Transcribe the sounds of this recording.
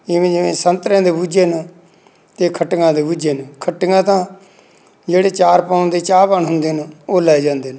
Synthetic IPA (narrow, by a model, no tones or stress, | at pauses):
ɪʋẽːd͡ʒɪʋẽːsənt̪ɾẽːd̪eːbuːd͡ʒeːnə | t̪eːkʰəʈŋɡãːd̪eːbuːd͡ʒeːnəkʰəʈŋɡãːt̪ãː | d͡ʒeːɽeːt͡ʃaːɾpãːnd̪eːt͡ʃaːpənɦʊnd̪eːnəoːlɛːd͡ʒãːnd̪eːnə